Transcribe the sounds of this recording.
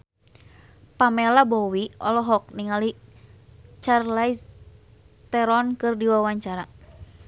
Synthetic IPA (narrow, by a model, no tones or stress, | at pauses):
pamɛlabɔwiɔ̰lɔɦɔk̚niŋali | t͡ʃarlais | t̪ɛɾɔnkɨrdiwawaɲt͡ʃaɾa